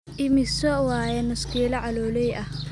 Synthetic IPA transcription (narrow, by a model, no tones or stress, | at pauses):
ʔɪmɪsɔwaːjɛnɐskʰiːlɐʕɑlɔːlɛjʔɐh